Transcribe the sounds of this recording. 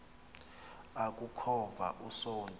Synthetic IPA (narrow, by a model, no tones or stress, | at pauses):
akʼukʰɔva̰ʔusoːndʱʼ